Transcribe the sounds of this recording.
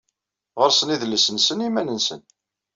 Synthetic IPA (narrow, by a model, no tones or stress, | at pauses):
ʁəɾsəniðləsənsənimænənsə̰n